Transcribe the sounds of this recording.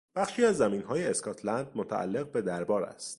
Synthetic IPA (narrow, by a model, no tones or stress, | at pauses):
b̥æχʃiːæzːæmiːnɦɒːjeeskʰɒːt̪ʰlænd̪̚mot̪ʰæ̰ʔæ̰lːe̞ɣbe̞d̪æɾbɒːɾæ̰st̪